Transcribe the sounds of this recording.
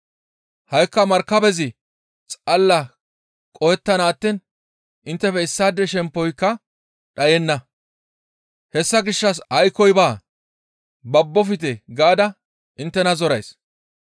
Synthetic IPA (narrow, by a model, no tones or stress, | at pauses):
hɐjkːɐmɐɾkːɐbɛzɪ | t͡sʼɐlːɐ | kʼɔjɛt̪ːɐnaːt̪ːin | ɪnt̪ːɛfɛɪsːaːd̪ːɛʃɛmpːɔjkːɐ | ɗɐjɛnːɐ | hɛsːɐɡɪʃːɐs̬ɐjkːɔjbaː | bɐbːɔfɪt̪ɛɡaːd̪ɐ | ʔɪnt̪ːɛnɐzɔɾɐjs